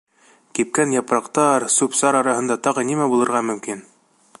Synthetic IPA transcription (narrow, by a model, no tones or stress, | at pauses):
kip̚kænjɑpɾɑqt̪ɑɾsupsɑɾɑɾɑhɤ̆nd̪ɑt̪ɑʁɤnimæbulˠɤ̆ɾʁɑmɵ̆mkin